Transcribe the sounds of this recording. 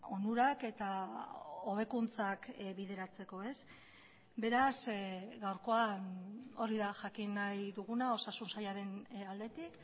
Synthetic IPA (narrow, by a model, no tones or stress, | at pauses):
o̞nuɾake̞t̪a | o̞β̞e̞kunt͡sakβiðe̞ɾat͡se̞ko̞e̞s | be̞ɾasɡawɾko̞ano̞riðaʝakinajðuɣunao̞sasunsajaɾe̞nald̪e̞t̪ik